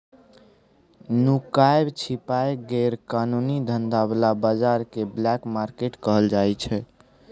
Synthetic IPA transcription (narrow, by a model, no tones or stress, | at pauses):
nukaebt͡ʃʰipaeɡeɾkanunid̪ʱənd̪ablabad͡ʒaɾkeblɛkmaɾkeʈkəɦəld͡ʒajt͡ʃʰɛ